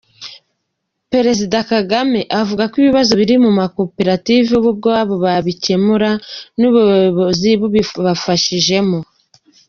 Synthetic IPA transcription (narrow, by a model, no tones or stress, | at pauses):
pɾe̞ɾe̞zidakaɡame̞ʔavuɡakwiβiβazo̞βiɾimumako̞pe̞ɾativuβub̚ɡoaβoβaβice̞muɾanuβuoβoziβuββafaʃiʒe̞mo